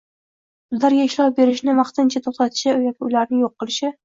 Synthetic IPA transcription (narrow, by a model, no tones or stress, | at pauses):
b̥ʊzlaɾɡʲaɪʃlɒp̚be̞ɾɪʃnɪvɑχt̪ɪnt͡ʃʰat̪ʰoχt̪ʰat̪ʰɪ̥ʃɪjɒkʲɪʊlaɾnɪŋjoqːɨlˠɪʃɪ